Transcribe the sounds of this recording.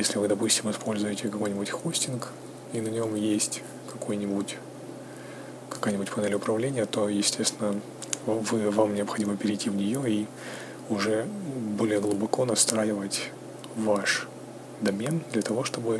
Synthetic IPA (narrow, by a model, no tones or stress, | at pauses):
jesʲlʲɪvɨd̪ɐpusʲtʲɪmɪspo̞lʲzʊjɪtʲɪkɐko̞jnʲɪbʊtʲxo̞sʲtʲɪnk | inɐnʲo̞mjesʲtʲ | kɐko̞jnʲɪbutʲ | kɐ̥kajnʲɪbʊtʲpɐnʲelʲɪʊpɾɐvlʲenʲɪjət̪o̞jɪsʲtʲest̪ʲɪnə | vɨvamnʲɪɐpxɐdʲiməpʲɪɾʲɪjtʲivnʲɪjo̞i | ʊʐɛbo̞lʲɪjəɡlˠʊbɐko̞nɐst̪ɾajɪvətʲ | vaʂ | d̪ɐmʲend̪lʲɐt̪ɐvo̞ʂt̪o̞bɨ